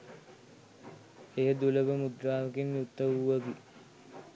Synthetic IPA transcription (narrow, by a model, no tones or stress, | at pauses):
ejəd̪uləʋəmud̪ɾaːʋəkinːut̪ːəʋuʋɐɡi